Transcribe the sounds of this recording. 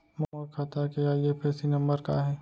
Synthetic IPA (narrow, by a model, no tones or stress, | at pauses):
mɔmokʰat̪akeajepʰɛːsinɐ̃mbəɾka̰ɦɛː